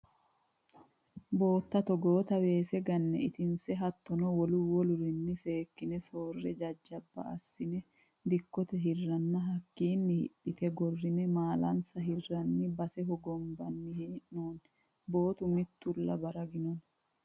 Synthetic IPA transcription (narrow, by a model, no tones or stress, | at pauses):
bo̞ːt̪ːɐt̪ɔɡoːt̪ɐwe̞ːsɛɡɐnːɛ̰ɪt̪ɪnsɛɦɐt̪ːɔnɔwɔlʊwɔlʊɾɪnːɪseːkːɪnɛso̞ːrːɛd͡ʒɐd͡ʒːɐbːɐ̰ɐsːɪnɛ | d̪ɪkːɔt̪ɛɦɪrːɐnːɐɦɐkːiːnːɪhɪ̰ɗːɪt̪ʰɛɡɔrːɪnɛmaːlɐnsɐɦɪrːɐnːɪbɐsɛɦɔɡɔmbɐnːɪhʔnoːn | bo̞ːt̪ʊmɪt̪ːʊlːɐbɐɾɐɡɪnɔn